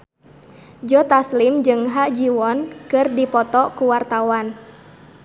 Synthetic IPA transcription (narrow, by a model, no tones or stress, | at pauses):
d͡ʒɔt̪aslimd͡ʒɨŋɦaʔd͡ʒiwɔnkɨrdipɔt̪ɔkuwart̪awan